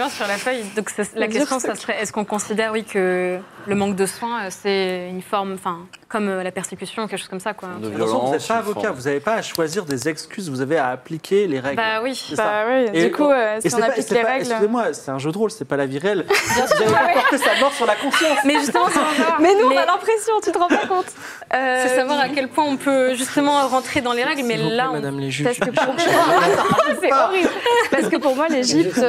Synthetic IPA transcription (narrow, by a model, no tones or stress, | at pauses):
mɑ̃syʁlafœjd̪ɔ̃ksɛlak̬ʲɛst̪jɔ̃sasχɛɛskɔ̃kɔ̃sid̪ɛʁwikʰələmɑ̃kd̪əswɛ̃øsɛynfɔʁmɑ̃fɛ̃kɔmølapɛʁsekʲysjɔ̃ukɛkʃoz̥kɔmsakwaat̪ɑ̃jɔ̃vuzɛt̪̚paːvɔkavuzavepaːʃwaziʁd̪ezɛkskʲyzvuzaveaːplikʲʰeleʁɛɡbawisɛsawiykuøsesɛnaaisɛleʁɛɡɛslkyzemwasɛt̪ɛ̃ʒød̪ʁolsɛpalaviʁeɛlsavuzavepɔʁt̪esamɔʁsyʁlakɔ̃fjɑ̃smɛʒyst̪əmɑ̃ɛamɛnũmɛ̃nalɛ̃pχesjɔ̃t̪yt̪əʁɑ̃pakɔ̃t̪ | øfɛsavwaʁakʲɛlpwɛ̃ɔ̃pøʒyst̪əmɑ̃ʁɑ̃t̪χed̪ɑ̃leʁɛɡlmɛlãmd̪amleʒipasəkəpuʁ | sɛɔʁilpaʁsəkəpuʁmwaleʒipt̪